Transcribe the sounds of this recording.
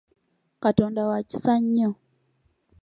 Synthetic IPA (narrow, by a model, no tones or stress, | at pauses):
katɔndawat͡ʃi̥saɲɔ